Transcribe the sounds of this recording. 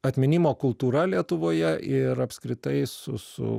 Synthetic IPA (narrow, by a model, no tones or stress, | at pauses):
ɐt̪ʲmʲɪnʲɪmoːkʊlˠt̪uːɾɐlʲiɛt̪ʊʋoːjɛʔɪɾɐpʲskɾʲɪt̪ɐɪsʊ̰sʊ̰